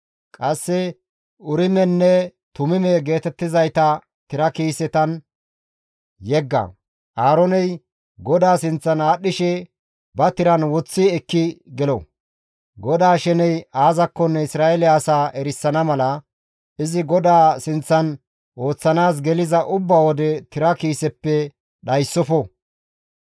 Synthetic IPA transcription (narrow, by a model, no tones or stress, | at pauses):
kʼɐsːɛ | ʊɾɪmɛnːɛt̪ʊmɪmɛɡe̞ːt̪ɛt̪ːɪzɐjt̪ɐ | t̪ɪɾɐkiːsɛt̪ɐn | jɛɡːɐ̰ | ʔaːɾɔnɛj | ɡɔd̪aːsɪnt͡sːɐnaːɗːɪʃɛ | bɐt̪ɪɾɐnwɔt͡sːɪɛkːɪɡɛlɔ̰ | ɡɔd̪aːʃɛnɛjaːzɐkːɔnːɛɪsɾaːʔɛlɪːsaːʔɛɾɪsːɐnɐmɐlɐ | ɪzɪɡɔd̪aːsɪnt͡sːɐn | ʔo̞ːt͡sːɐnaːs̬ɡɛlɪzɐʔʊbːaːwɔd̪ɛt̪ɪɾɐkiːsɛpːɛ | ɗɐjsːɔfɔ